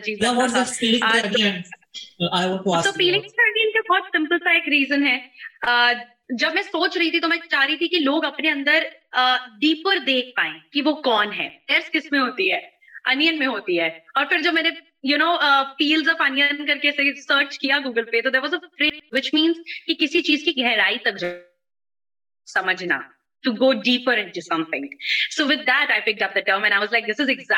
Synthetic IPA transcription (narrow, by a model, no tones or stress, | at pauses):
d͡ʒiːaʋɔzɔfiːlɪ̃aaɐɡen | aɪʋɔsoːfiːlɪ̃ŋskaɐɡenkebɔːt̪sɪ̃mpəlsaeɪkɾiːzə̃nɦɛːəː | d͡ʒɐbmɛ̃ːsoːt͡ʃɾɐɦit̪ʰit̪omɛ̃t͡ʃaːɾɐɦit̪ʰikiloːɡɐpneɐ̃nd̪əɾəːɖiːpəɾd̪eːk̚ʰpaːẽːkiʋokɔːnɦɛ̰ːd̪ɛːɾskɪsmẽɦoːt̪iɦɛː | ɐnijənmẽɦoːt̪iɦɛːɔːɾfɪɾd͡ʒobmɛːne | junoːəfiːlzɔfɐ̃njənkɐɾkesesəːɾt͡ʃkijaɡuːɡəlpet̪od̪ɛːɾʋɔzəfɾɪtʋɪt͡ʃmĩːnzkikɪsit͡ʃiːzkiɡʱɛɦɾaːit̪ɐk̚d͡ʒa | sɐməd͡ʒna̰ | ʈuɡoːɖiːpəɾɪ̃nʈusɐ̃mt̪ʰɪ̰̃ŋsoːʋɪd̪æʈaɪpɪk̚ʈʌp̚d̪əʈəːɾmɛ̃ñaɪʋɔzlaɪk̚d̪ɪsɪzɛɡz